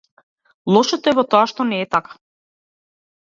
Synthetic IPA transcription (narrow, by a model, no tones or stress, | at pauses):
lˠɔʃɔt̪ɔɛvɔt̪ɔaʃt̪ɔnɛːt̪akḁ